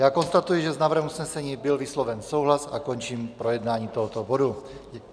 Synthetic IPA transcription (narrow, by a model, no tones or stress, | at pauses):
jaːko̞nst̪at̪ujɪʒɛznaːvɾr̩ɦɛmusnɛsɛɲiːbɪlvɪslovɛnso̞wɦlasako̞nt͡ʃiːmpɾo̞jɛdnaːɲiːt̪oɦot̪obodu